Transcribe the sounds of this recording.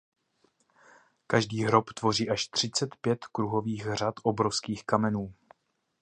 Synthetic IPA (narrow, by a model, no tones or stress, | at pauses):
kaʒdiːɦɾopt̪vo̞riːʔaʃt̪r̝̥ɪt͡sɛt̪pjɛt̪kɾuɦo̞viːɣr̝at̪ʔo̞bɾofskiːxkamɛnuː